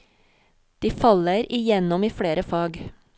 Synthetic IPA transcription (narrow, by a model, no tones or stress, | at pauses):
d̪̥iːfɑləɾɪjɛnɔmiːfɽeːɾəfɑːɡ